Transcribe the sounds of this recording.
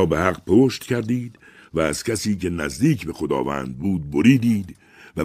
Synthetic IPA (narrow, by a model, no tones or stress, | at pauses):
behæɢpʰoːʃt̪cʰæɾd̪iːd̪ | væːz̥cʰæsiːcʰe̞næzd̪iːcʰbe̞xo̞d̪ɒ̰ːvæ̰ːnd̪̚buːd̪̚bo̞ɾiːd̪iːd̪ | væ